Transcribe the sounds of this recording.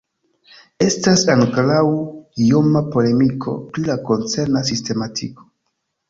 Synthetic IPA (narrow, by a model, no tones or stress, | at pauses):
e̞stasaŋklawiomapo̞le̞mikʰo̞̰pɾilako̞nt͡se̞ɾnasiste̞matʰḭko̥